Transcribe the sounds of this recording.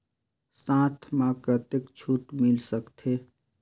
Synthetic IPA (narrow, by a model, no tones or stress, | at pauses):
sãːt̪ʰmakət̪ɪkt͡ʃʰuːʈmɪlsəkt̪ʰeː